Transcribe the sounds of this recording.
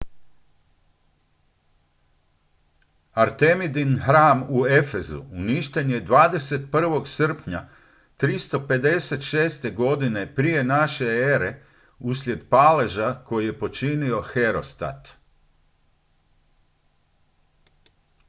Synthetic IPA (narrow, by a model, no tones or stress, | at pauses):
aɾt̪e̞mid̪inɦɾaːmue̞fe̞zṵuniʃt̪e̞ɲje̞d̪ʋaːd̪e̞se̞t̪̚pr̩ʋo̞ɡsr̩pɲa | t̪ɾist̪o̞pe̞d̪e̞se̞t̪ʃe̞ːst̪e̞ɡo̞d̪ine̞pɾije̞naʃe̞eɾe̞ | uslʲje̞d̪pale̞ʒako̞jije̞po̞t͡ʃinio̞xe̞ɾo̞̰st̪a̰t̪